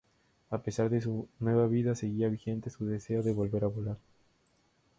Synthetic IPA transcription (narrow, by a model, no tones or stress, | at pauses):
ape̞saɾðe̞s̬unwe̞βaβiðase̞ɣiaβixe̞nt̪e̞suðe̞se̞oðe̞βo̞lβe̞ɾaβolaɾ